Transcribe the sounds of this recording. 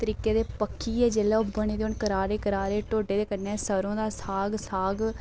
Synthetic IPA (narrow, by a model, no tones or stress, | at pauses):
t̪əɾiːkeːd̪eːpəkʰːiːɛːd͡ʒeːlɛːobəɳ̃eːd̪eʊnkəɾaːɾeːkəɾaːɾeːʈoːɖeːd̪eːkəneɛːsəɾõːd̪aːsaːɡsaːɡ